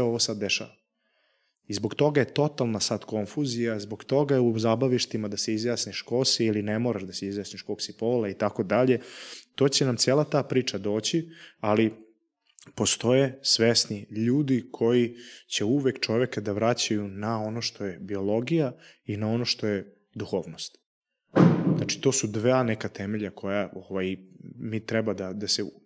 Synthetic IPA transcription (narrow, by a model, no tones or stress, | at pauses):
oʋosad̪ːeʃa̰ːʋa | izbo̞ɡt̪o̞ɡaje̞t̪o̞t̪alˠnasad̪ko̞ɱfuzijazbo̞ɡt̪o̞ɡaeuzabaʋiʃt̪imad̪aseizjaːsniʃko̞siilinemo̞ːɾaʃd̪aseizjaːsniʃkoksipoːlait̪ako̞d̪aʎe̞t̪o̞ːt͡ɕenamt̪sieːlˠat̪aːpɾiːt͡ʂad̪o̞ːt͡ɕiali | po̞st̪o̞jesʋesniʎuːd̪ikʰo̞jit͡ɕe̞uʋekt͡ʃo̞ʋekad̪aʋɾat͡ɕajunao̞noʃt̪o̞je̞bio̞lˠo̞ɡijainao̞noʃt̪o̞je | d̪uxoːʋnost̪ | znat͡ʃi̥t̪o̞ːsud̪ʋaːnekat̪emeʎakʰo̞jaoʋajmit̪ɾɛbad̪ad̪ase